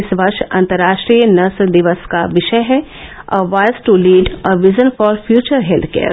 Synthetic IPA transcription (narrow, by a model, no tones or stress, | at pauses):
ɪsʋɐɾʃɐ̰̃nt̪əɾːaːʃʈɾiːjənɐsd̪ɪʋəskaʋɪʃəjɦɛ | əʋaɪzʈuliːɖəʋɪzə̃nfɔːɾfjuːt͡ʃəɾɦelt̪ʰkḛːɾ